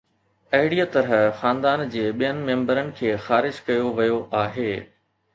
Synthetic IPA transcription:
ɐɦɪɽijət̪ɐɾəɦxãːnd̪aːnd͡ʑeːɓijənɪ̆mẽːmbəɾənɪ̆kʰeːxaːɾɪd͡ʑkɐjoʋɐjoʔaːɦeː

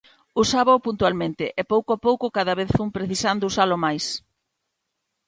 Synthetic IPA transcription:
usaβapunt̪ualmẽnt̪ɪʔɛpowkoapowkʊkaðɐβeθfumpɾeθisand̪ousalʊmajs

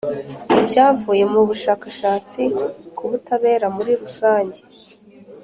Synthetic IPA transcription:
ibɟaːvuːje̞muβuʃaːkaʃaːt͡sikuβutaβe̞ːɾamuɾiɾusaːɲɟe

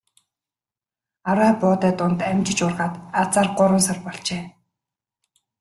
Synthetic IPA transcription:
aɾæːpʊːt̪æːt̪ʊnt̪æmʲt͡ɕɪ̆t͡ɕʊrʁaːt̪at͡saːrɢʊɾwʊ̆ːnsarpɔɮt͡ɕeː

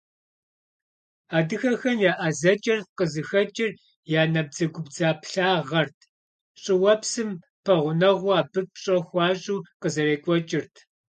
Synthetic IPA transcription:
aːdɨxɐxɐnjaːʔazɐt͡ʃʼɪrqəzɨxɐt͡ʃʼɪr | jaːnɐb̚d͡zɐɡʷʊbd͡zaːpɬaːʁɐrtʰ | ɕʼɪwɐpsɨm | pʰɐʁʷʊnɐʁʷʊaːbɨp̚ʰɕʼɐxʷɑːɕʼuːqəzɐɾeːkʷʼɔt͡ʃʼɪrtʰ

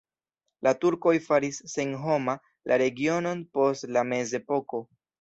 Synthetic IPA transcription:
latuɾko̞jfaɾisːenɦo̞ma | lʔaɾe̞ɡio̞no̞npo̞stlame̞ze̞po̞ko̞

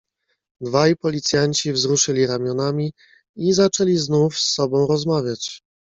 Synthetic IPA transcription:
d̪vajpɔlʲit̪sʲjaɲt͡ɕivzɾuʂɘlʲiɾamʲjɔnamʲi | izat͡ʂɛlʲiznufsːɔbɔ̃w̃ɾɔzmavʲjat͡ɕ

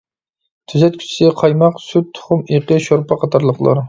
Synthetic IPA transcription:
t̪ʰyzɛt̪̚kʲʰy̥t͡ʃʰi̥sqʰɑjmɑqsyt̪̚t̪ʰːʊ̥χʊmeqəʃoɾpʰɑqʰɑt̪ʰɑɾlˠəqlˠɑ̰ɾ

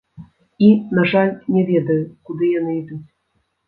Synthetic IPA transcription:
inaʐalʲnʲɛvʲɛd̪ɐjukud̪ɨjanɨid̪ut͡sʲ

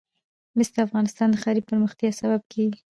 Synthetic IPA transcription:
mɪsd̪əafɣɑnɪst̪ɑnd̪əxɑɾipəɾməxt̪jɑsabab̚kʰeɡi

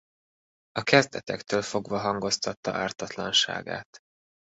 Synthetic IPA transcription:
ɒkɛzd̪ɛt̪ɛkt̪øːlfo̞ɡvɒɦɒŋɡo̞st̪ɒt̪ːɒʔaːrt̪ɒt̪lɒnʃa̰ːɡa̰ːt̪

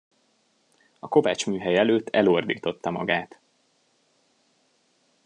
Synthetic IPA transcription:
ɒko̞vaːt͡ʃmyːɦɛjɛløːt̪ːɛ̰loːrd̪ḭːt̪o̞t̪ːɒmɒ̰ɡaːt̪

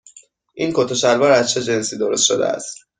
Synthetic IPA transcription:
ʔiːnkʰot̪ʰoʃæɾvɒːɾæzt͡ʃʰe̞d͡ʒe̞nsiːd̪oɾost̪ʃod̪ḛæ̰st̪

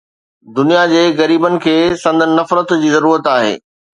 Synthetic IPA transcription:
d̪ʊnijad͡ʑeːɣɐɾiːbənɪ̆kʰeːsɐ̃nd̪ʱnɐfɾət̪d͡ʑiːzɐɾuːɾət̪aːɦḛː

